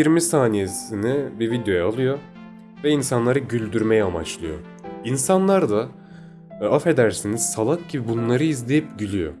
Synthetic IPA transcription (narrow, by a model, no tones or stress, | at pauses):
jiɾmisaːnijesinibivid̪jo̞jɛalˠɯjo̞ | vɛinsanlˠaɾɯɟylʲd̪yɾmejɛamat͡ʃlˠɯjo̰ | insanlˠaɾd̪a | afe̞d̪æɾsiniz̥salˠak̚ɟibibunlˠaɾɯizlʲe̞jip̚ɟilʲijo̰